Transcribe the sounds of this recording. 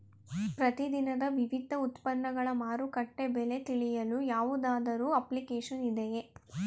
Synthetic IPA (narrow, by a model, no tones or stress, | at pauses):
pɾɐt̪id̪inɐd̪ɐʋiʋid̪ʱːɐut̪pɐnːɐɡɐɭɐmaːɾukɐʈːebɛle̞t̪iɭijɐlujaːʋud̪aːd̪ɐɾuːɐplikeːʃɐnid̪eje